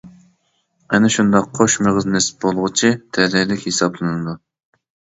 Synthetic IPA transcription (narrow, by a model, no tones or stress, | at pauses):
ɛnɪʃund̪ɑqʰːoʃmeʁɨznɨspbolˠʁʊt͡ʃʰit̪ʰɛlɪlɪkʲhesɑblˠɨnɨd̪u